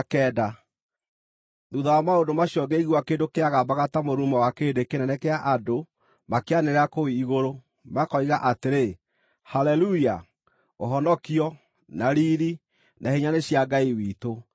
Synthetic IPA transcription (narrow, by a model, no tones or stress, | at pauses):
kɛːda | ðuðawamaondomaɕjɔɡɛiɣwakeːndokeaɣabaɣatamoɾumawakeːndekenɛnɛkɛaʔado | makeaneɾeakowiiɣoɾo | makɔiɣaʔateɾe | halɛluia | oɦɔnɔkiɔ | naɾiːɾi | naheɲaneɕjaɡaiwiːto